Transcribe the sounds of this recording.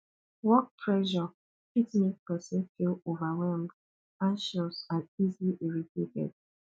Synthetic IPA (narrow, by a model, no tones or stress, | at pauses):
wɔt̚pʰɹɛʒɔ | pitnik̚pɛsĩnfilovawɛlmd | ãnʃɔsãnizliʔɛɹitʰetɛ̰d̥̚